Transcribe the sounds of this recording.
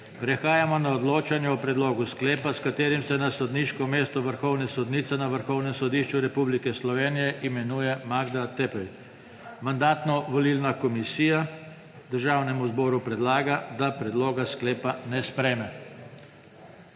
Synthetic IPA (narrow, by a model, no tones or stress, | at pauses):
pɾɛxaːjamɔnaɔd̪loːt͡ʃanjɛɔpɾɛd̪loːɡuskleːpaskat̪eːɾimsɛnasɔd̪niʃkɔmeːst̪ɔʋəɾxɔwnɛsɔd̪nit̪sɛnaʋəɾxɔwnɛmsɔd̪iʃt͡ʃuɾɛpublikɛslɔʋeːnijɛʔimɛnuːjɛmaɡd̪at̪ɛpɛj | mand̪aːt̪nɔʋɔlilnakɔmisiːja | d̪əɾʒaːwnɛmuzbɔːɾupɾɛd̪laːɡad̪apɾɛd̪loːɡasklɛːpanɛspɾɛjmɛ